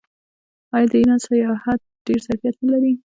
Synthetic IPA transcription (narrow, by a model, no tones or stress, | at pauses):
ɑjɑd̪əinɑsajɑhat̪̚ɖ̥eɾzaɾfijat̪nəlaɾi